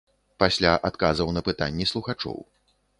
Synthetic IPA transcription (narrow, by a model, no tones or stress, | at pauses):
pasʲlʲaʔat̪kazɐwnɐpɨt̪a̰nʲːɛslˠuxat͡ʂɔ̰w